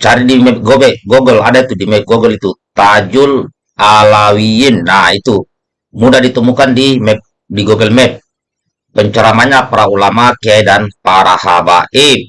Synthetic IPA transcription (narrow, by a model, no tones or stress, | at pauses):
t͡ʃaɾidimɛp̚ɡɔbɛɡɔɡɛladait̪udimɛp̚ɡɔɡəlit̪ut̪ad͡ʒul | alawiinːait̪u | mudahdit̪əmukandimɛp̚ | diɡɔɡɛlmɛp̚ | pəɲt͡ʃaɾamaɲapaɾaulamakeaidanpaɾaha̰ba̰ʔɛ